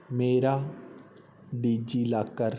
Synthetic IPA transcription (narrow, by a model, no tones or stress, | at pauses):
meːɾa | ɖiːd͡ʒilaːkəɾ